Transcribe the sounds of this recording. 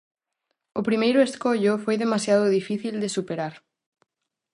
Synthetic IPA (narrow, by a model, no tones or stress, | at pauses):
opɾimejɾoeskoʎofwejðe̞masjað̞oð̞ifiθild̪esupeɾaɾ